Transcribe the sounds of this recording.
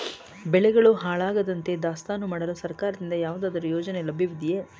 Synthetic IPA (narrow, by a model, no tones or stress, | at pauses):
bɛɭɛɡɐɭuɦaːɭaːɡɐd̪ɐnt̪e̞d̪aːst̪aːnumaːɽɐlusɐɾkaːɾɐd̪ind̪ɐjaːʋud̪aːd̪ɐɾujoːd͡ʒɐne̞lɐbʱiʋid̪ije